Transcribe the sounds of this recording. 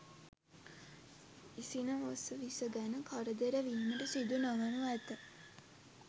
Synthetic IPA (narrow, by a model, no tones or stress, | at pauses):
isinəosəʋisəɡænəkʰaɾəd̪əɾəʋiːməʈəsid̪unaʋənuæt̪ə